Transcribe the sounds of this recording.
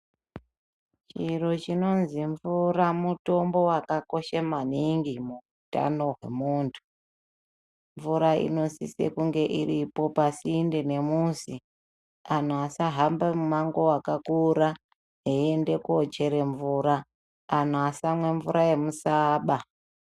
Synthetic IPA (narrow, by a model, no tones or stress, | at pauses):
t͡ʃiro̞t͡ʃino̞nziɱvuramuto̞mbo̞wakako̞ʃemaniŋɡimuuta̰no̞ɦwe̞̰muːntʰu̥ | ɱvuɾaḭno̞sisḛkuŋɡe̞ʔiripo̞pasinde̞ne̞muːsi | an̤uasaɦambemumaŋɡo̞wakakuɾa | ɦeende̞kuot͡ʃe̞ɾe̞ɱvuːɾaː | n̤uasamwe̞ɱvuɾʔaje̞musaːɓa